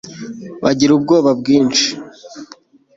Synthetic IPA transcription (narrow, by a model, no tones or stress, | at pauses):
βaɟiɾubɡo̞ːβabɡiːnt͡ʃi̥